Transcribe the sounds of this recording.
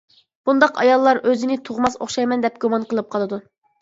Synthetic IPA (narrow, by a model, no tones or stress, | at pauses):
b̥und̪ɑqɑ̰jɑlˠːɑɾøzɪnɪt̪ʰoʁmɑso̰χʃɑjmɛnd̪ɛp̚ɡumɑnqəlˠɨp̚qʰɑlˠɨd̪u